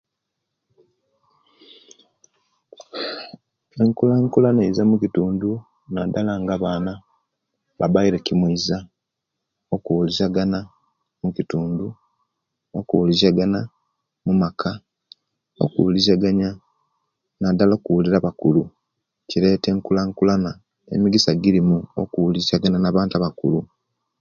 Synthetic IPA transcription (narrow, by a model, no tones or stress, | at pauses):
eŋkulaŋkulaneizamucituːndu | nadalaŋɡaβaːna | βa̰baiɾecimweiza | okuwulizaɡana | mucituːndu | o̞kuwulizaɡana | mumakʰa | o̞̰kuulizaɡaɲa | nadaloːkuwuliɾaβakulu | ciɾe̞ːte̞ŋkulaŋkulana | ḛmiɡisaɡiɾimuo̰kuwulizaɡananaβaːntaβakṵlu